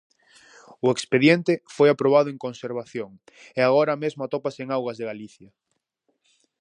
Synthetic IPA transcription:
ʊekspeðjent̪ɪfojapɾoβ̞aðʊeŋkonseɾβ̞aθjoŋ | eaɣ̞oɾamezmoat̪ɔpaseeŋawɣɐzðeɣaliθjɐ

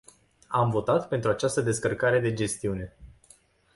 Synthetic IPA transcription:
amvo̞t̪at̪pe̞nt̪ɾuat͡ʃast̪əd̪e̞skərkaɾe̞d̪e̞d͡ʒe̞st̪iune̞

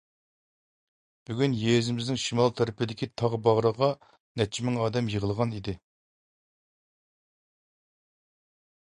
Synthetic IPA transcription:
b̥yɡʲynjezɪmɪznɪŋʃimɑlˠt̪ʰæɾɪpʰɪd̪ɪkʲʰit̪ʰɑʁbɑʁɾəʁɑ | nɛt͡ʃʰːimɪŋɑːd̪ɛmjəʁəlˠʁɑnid̪ɪ

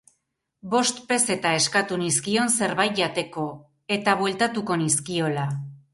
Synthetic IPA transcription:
bo̞st̪pe̞se̞t̪ae̞skat̪uniskio̞nse̞ɾβajt̪̚ʎat̪e̞ko̞ | e̞t̪aβwe̞lt̪at̪uko̞niskio̞la

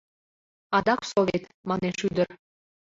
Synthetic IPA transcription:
ɑd̪ɑksovet̪ | mɑneʃyd̪ər

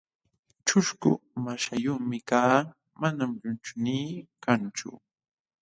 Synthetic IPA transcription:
t͡ʃʊʃkʊ̰maʃajʊχmɪkaː | manamʎʊnt͡ʃʊniːkant͡ʃʊ̰

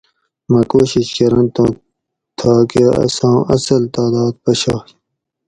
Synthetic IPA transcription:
mɐ̃koːɕiɕkɐɾɐ̃nt̪õː | t̪ʰaːkeɐ̰sãːɐsɐlt̪aːd̪aːd̪̚pɐɕaː

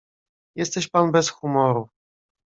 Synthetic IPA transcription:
jɛst̪ɛɕpanbɛsxumɔɾu

